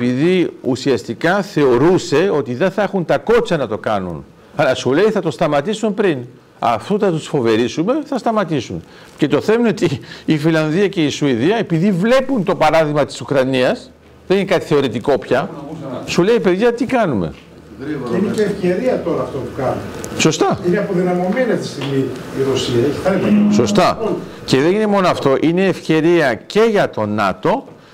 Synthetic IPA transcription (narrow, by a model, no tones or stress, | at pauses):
epiðiṵsiɐst̪ikɐθe̞o̞ɾuse̞o̞t̪iðe̞nθɐexunt̪ɐko̞t͡sɐnɐt̪o̞kɐnṵn | ɐlɐsule̞iθɐt̪o̞st̪ɐmɐt̪isumpɾin | ɐ̰ft̪uθɐt̪usfo̞ve̞ɾisume̞θɐst̪ɐmɐt̪isun | ce̞t̪o̞θe̞menot̪iːfilɐnðiɐce̞isuiðiɐe̞piðivle̞punt̪o̞pɐɾɐðiɣmɐt̪i̥sukɾɐniɐs | ðe̞ninekɐt̪i̥θe̞o̞ɾit̪iko̞pçɐsule̞ipe̞ðʝɐt̪ikɐnume̞̰ | ineeːfçe̞ɾiɐt̪oɾɐːft̪opukɐnuso̞st̪ɐineɐpo̞ðinɐmo̞meniɐt̪i̥st̪iɣmiːɾosiɐeçi̥θɐlitɐso̞st̪ɐ | ceðeinemo̞noɐft̪o̞ʔine̞ːfçe̞ɾiɐce̞ʝɐt̪o̞nɐ̰t̪o̞